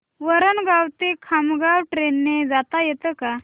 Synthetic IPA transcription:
ʋəɾənɡawt̪ekʰamɡawʈɾenːed͡zat̪ajɛt̪əka

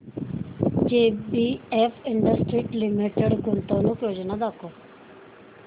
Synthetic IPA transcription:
d͡ʒeːbiefɪɳɖəsʈɾiːʈlimiʈeɽɡʊnt̪onũːkjoːd͡ʑnad̪ako

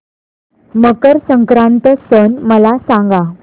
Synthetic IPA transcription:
məkəɾsəŋkɾãnt̪əsənməlasãŋɡa

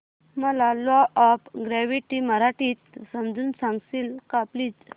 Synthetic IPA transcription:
məlalɔʔɔpɡɾɛʋiʈiməɾaʈit̪səmd͡zuːnsãŋɡsilkaplit͡s

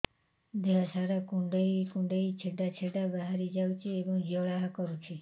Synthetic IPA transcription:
d̪eɦasaɾakũɳɖəikũɳɖeit͡ʃʰeɖat͡ʃʰeɖabaɦaɾid͡ʒawt͡ʃʰiebɔŋd͡ʒɔɭaɦkɔɾũt͡ʃʰi

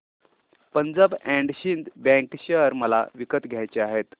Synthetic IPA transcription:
pənd͡zəbæ̃ɳɖɕind̪bæ̃ŋkɕəɾməla̰ʋikət̪ɡʱjajt͡ɕeaɦet̪

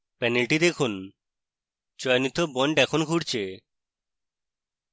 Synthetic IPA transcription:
pɛnelʈid̪ekʰun | t͡ɕɔenit̪ːobɔɳɖɛkʰonɡʱuɾt͡ɕʰe

